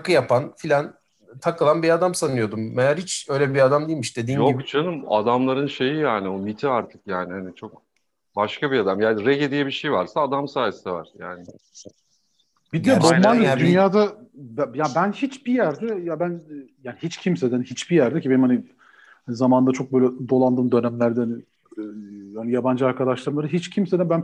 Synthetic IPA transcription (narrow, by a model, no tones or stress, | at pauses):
akɯjapʰanfilʲan | t̪ʰakʰɯlˠanbiad̪amsanɯjo̞d̪umːejaɾhit͡ʃø̞jlʲɛbiad̪amd̪eilʲmiʃd̪ed̪iːnjoikt͡ʃʰanɯma̰d̪amlˠaɾɯnʃe̞jijaːnionit̪ʰiaɾt̪ʰɯkjaːnɪhanit͡ʃʰo̞k | baʃkʰabiad̪amjaːnɾɛɟed̪ijɛbiʃejvaɾsaːd̪amsaːjesi̥d̪ɛva̰ɾ̥jaːnɪ | bid̪jad̪oand̪ɯd̪ynjaːd̪abjabænhit͡ʃbijæɾd̪ɛjabænjaːniɦit͡ʃcʰimsed̪inhit͡ʃbijæɾd̪ɛcʰibeimhani | hanizamaːnnd̪at͡ʃʰo̞k̚bøjlʲɛd̪o̞lˠand̪ɯːmd̪ø̞næmlʲæɾd̪ɛhanɪ | hanijaband͡ʒɯaɾkʰad̪aʃlˠaɾɯmlˠaɾɯɦit͡ʃcʰimse̞d̪inbæn